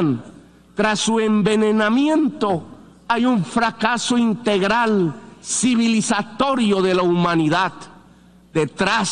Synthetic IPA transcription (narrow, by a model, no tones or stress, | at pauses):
n | t̪ɾasːue̞mbe̞nenamjẽ̞nt̪o̞ | ajuɱfɾakasoint̪eɣɾalsiβilisat̪o̞ɾjo̞ðe̞laumãniðað | d̪̥et̪ɾas